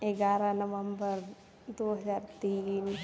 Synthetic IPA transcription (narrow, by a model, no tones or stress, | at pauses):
eɡaːɾanəʋə̃mbəɾ | d̪oːɦɐzaːɾt̪iːn